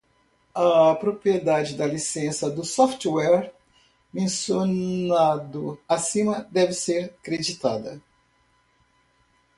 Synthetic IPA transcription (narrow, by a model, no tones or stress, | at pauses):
ɐpɾopɾied̪ad͡ʒɪd̪ɐlisẽsɐd̪ʊsɔft͡ʃwɛɾ | mẽsjonad̪ʊasĩmɐd̪ɛvɪseɾkɾed͡ʒit̪ad̪ɐ